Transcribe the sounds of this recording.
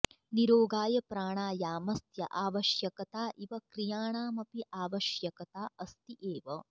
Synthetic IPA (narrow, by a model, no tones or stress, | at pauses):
niɾoːɡaːjɐpɾaːɳaːjaːmɐst̪jɐʔaːʋɐʃjɐkɐt̪aːʔiʋɐkɾijaːɳaːmɐpiʔaːʋɐʃjɐkɐt̪aːʔɐst̪iʔeːʋɐ